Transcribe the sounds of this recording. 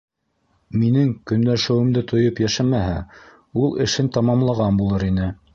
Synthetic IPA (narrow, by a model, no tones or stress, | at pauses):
minɘŋkɵ̆nlæʃɘ̆wɘ̆md̪ɘt̪ʰŏjɤpjæʃæmæɦæ | ulˠɘ̰̆ʃɘnt̪ɑmɑmlˠɑʁɑnbulˠɤɾinɘ